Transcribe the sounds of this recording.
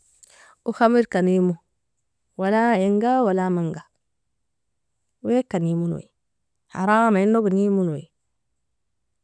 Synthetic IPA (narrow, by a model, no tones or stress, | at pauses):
uxamiɾkanimu | walaeŋɡawalamaŋɡa | ekanimuno̰i | ha̰ɾamainːoɡunimunoḭ